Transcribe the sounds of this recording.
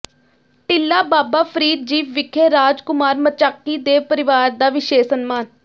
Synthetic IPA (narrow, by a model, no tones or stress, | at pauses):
ʈɪlːaːbaːbaːpʰəɾiːd̪̚d͡ʒiːʋʋɪkʰeːɾaːd͡ʒkʊmaːɾmət͡ʃaːkːiːd̪eːpəɾɪʋaːɾd̪aːʋɪʃeːsənmaːn